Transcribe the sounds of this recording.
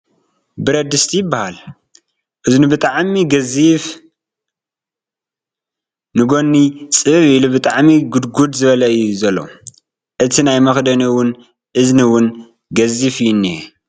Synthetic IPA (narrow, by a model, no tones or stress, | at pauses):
bɨɾɐd̪ɨst̪ʰijɪbːahal | ʔɨznibɨt̪ʼaʕmiɡɐzif | nɨɡo̞nːit͡sʼɨβɨβilubɨt̪ʼaʕmiɡud̪ɡud̪zɨβɐlɐɨjːuzɐlːo̰ | ʔɨt̪ʰinajmɐxd̪ɐniwʊn | ʔɨzniwʊn | ɡɐzifjinːi